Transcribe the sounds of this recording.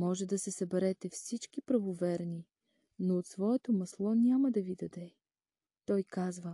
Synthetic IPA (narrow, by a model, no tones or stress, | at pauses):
mɔʒɛd̪ɐsɛsɐbɛɾɛt̪ɛfsit͡ʃkipɾɐvovɛɾni | noːt̪svɔɛt̪omɐslˠɔnʲaməd̪ɐvid̪ɐd̪ɛ | t̪ɔjkazvə